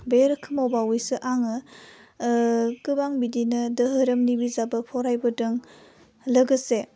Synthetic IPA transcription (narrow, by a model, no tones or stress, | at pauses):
beɾɯkʰɯmawbawujsɯʔaŋɯ | kɯbaŋbidinɯdəɦɯɾɯmnibizabɯpʰɔɾajbɯdɯŋ | ləɡɯse